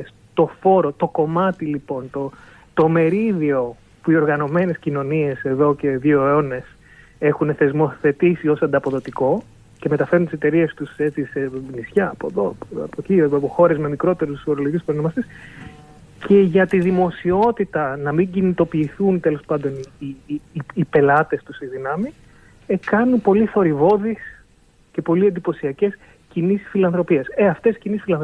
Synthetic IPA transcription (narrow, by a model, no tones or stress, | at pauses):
s | t̪o̞fo̞ɾo̞t̪o̞ko̞mɐt̪ilipo̞nt̪o | t̪o̞me̞ɾiðio̞ | puio̞ɾɣɐno̞me̞ne̞scino̞nie̞se̞ðo̞ce̞ðioone̞s | e̞xune̞θe̞zmoθe̞t̪isio̞sɐnd̪ɐpo̞ðo̞t̪iko̞ | ce̞me̞t̪ɐfe̞ɾunt̪ise̞t̪e̞ɾie̞st̪uset͡sisemisçɐːpoðopɐ̰pocioɐpoxo̞ɾe̞zme̞mikɾo̞t̪e̞ɾusfoɾoloiusponomɐses | ce̞ʝɐt̪iðimo̞sio̞t̪it̪ɐnɐmiɲɟinit̪o̞piːθunt̪e̞lo̞spɐnd̪o̞niː | pe̞lɐt̪e̞st̪usiðinɐmi | ekɐnunpo̞liθo̞ɾivo̞ðis | ce̞po̞liend̪ipo̞siɐce̞s | cinisfilɐnθɾo̞pie̞seɐft̪e̞scinisfilɐnθ